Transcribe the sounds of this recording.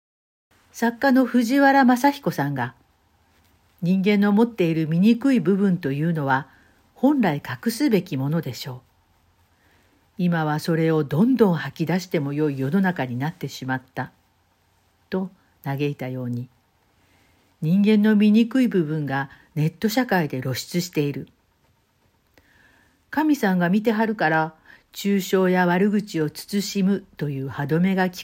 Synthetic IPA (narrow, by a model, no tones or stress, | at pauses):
sakːano̞ɸɯ̟ʑiβaɾamasaçʲi̥ko̞sãŋɡa | ɲ̟ĩŋɡẽ̞nːo̞mo̞t̪ːe̞iɾɯ̟mʲiɲ̟ikɯ̟ibɯ̟bɯ̟̃nt̪o̞jɯ̟ːno̞βa | hõ̞nɾaikakɯ̟sɨbe̞kʲimo̞no̞d̪e̞ɕo̞ː | imaβ̞aso̞ɾe̞o̞d̪õ̞nd̪õ̞ɰ̃hakʲid̪aɕi̥t̪e̞mo̞jo̞ijo̞no̞nakaɲ̟inat̪ːe̞ɕimat̪ːa | t̪o̞ | naɡe̞it̪ajo̞ːɲ̟i | ɲ̟ĩŋɡẽ̞nːo̞mʲiɲ̟ikɯ̟ibɯ̟bɯ̟̃ŋɡa | ne̞t̪ːo̞ɕakaid̪e̞ɾo̞ɕi̥t͡sɨɕi̥t̪e̞iɾɯ̟ | kamʲisãɡamʲit̪e̞ɦaɾɯ̟kaɾa | t͡ɕɨːɕo̞ːjaβaɾɯ̟ɡɯ̟t͡ɕio̞t͡sɨ̥t͡sɨɕimɯ̟t̪o̞jɯ̟ːhad̪o̞me̞ɡakʲi̥